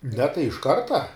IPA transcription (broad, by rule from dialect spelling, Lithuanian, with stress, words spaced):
nʲɛ tɐɪ ɪʃ ˈkɐrtɐ